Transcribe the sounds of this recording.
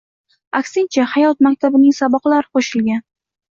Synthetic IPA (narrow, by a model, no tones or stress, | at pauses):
akʲsɪŋt͡ʃʰahajɒt̪̚mak̚ʲt̪ʰabɪnɪŋsabɒqlaɾɪqʰoʃɪlɡʲan